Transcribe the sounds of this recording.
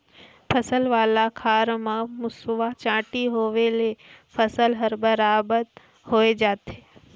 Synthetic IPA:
pʰəsəlʋaːlakʰaːɾmãmʊsʋat͡ʃãːʈiɦoːʋelepʰəsəlɦəɾbəɾaːbət̪ | ɦoːed͡ʒaːt̪ɦeː

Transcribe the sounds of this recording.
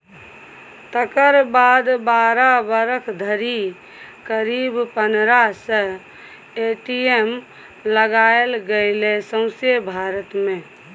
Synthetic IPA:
t̪əkəɾbad̪baɾabəɾəkʰd̪ʱəɾi | kəɾibpənɾasə | eʈiem | ləɡaelɡəɪlesə̃ʊ̃sjebʱaɾət̪mẽ

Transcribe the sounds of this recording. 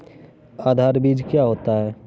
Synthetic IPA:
aːd̪ʱaːɾbiːd͡ʒkjaɦoːt̪aɦɛː

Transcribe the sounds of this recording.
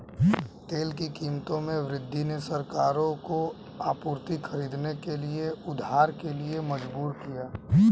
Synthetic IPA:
t̪eːlkikiːmt̪õmẽʋɾɪd̪ʱːinesəɾkaːɾõko | aːpuːɾt̪ikʰəɾiːd̪nekelieʊd̪ʱaːɾkelieməd͡ʒbuːɾkijaː

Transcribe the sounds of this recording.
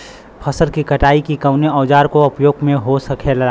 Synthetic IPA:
pʰɐsəlkikɐʈaːikikɐʊneɔːd͡ʒaːɾkoʊpjoːɡmẽɦosɐkʰelɐaː

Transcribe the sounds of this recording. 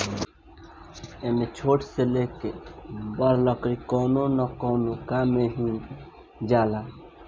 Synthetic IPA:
eːmet͡ʃʰoːʈʰseleːkebəɾlɔkɾikɔːnonɔkɔːnokaːmeɦĩ | d͡ʒaːlaː

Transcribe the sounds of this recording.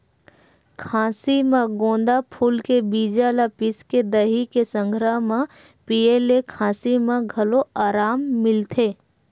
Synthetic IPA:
kʰãːsimẽɡõːnd̪apʰuːlkebiːd͡ʒalapɪsked̪əɦikesə̃ŋɡʱɾəɦmã | pieːlekʰãːsimẽɡʱɐloaːɾaːmːɪlt̪ʰeː

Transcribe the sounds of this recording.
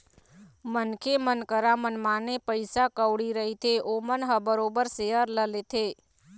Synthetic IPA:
mənkʰemənkəɾamənmãnepəjsakəʋɽiɾəɦit̪ʰeʔomənɦəbəɾobəɾseɦəɾləlet̪ʰe

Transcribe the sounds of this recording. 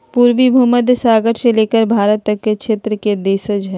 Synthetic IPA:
puːɾʋibʱuməd̪saːɡəɾseleːkəɾbʱaːɾət̪ːɐkkːekʃeːt̪ɾəked̪eːsəd͡ʒɦɛː

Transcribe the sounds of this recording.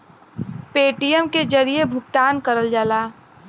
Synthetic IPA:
peːʈijəmked͡ʒəɾijebʱʊkt̪aːnkəɾəld͡ʒəlaː

